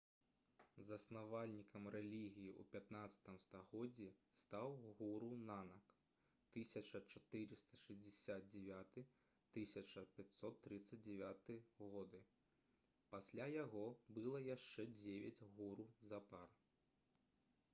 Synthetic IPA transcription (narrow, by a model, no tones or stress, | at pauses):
zɐsnavalʲnʲikʰɐmrɛlʲiɣʲijiʔṵpʲat̪nat̪sɐ̥t̪ɨmst̪aɣɔd͡zʲːist̪awɣuɾunanɐk | t̪ɨsʲɐt͡ʂɐt͡ʂat̪ɨɾɨst̪ɐ̥ʂɐzʲdʲɛsʲad̪̚d͡zʲɛvʲat̪ɨ | t̪ɨsʲɐt͡ʂɐpʲat̪ʲsɔt̪ːɾɨt̪sːɐd͡zʲd͡zʲɛvʲat̪ɨɣɔd̪ɨ | pasʲlʲajaɣɔbɨlˠɐjaʂt͡ʂɛd͡zʲevʲɛd͡zʲɣuɾuzapar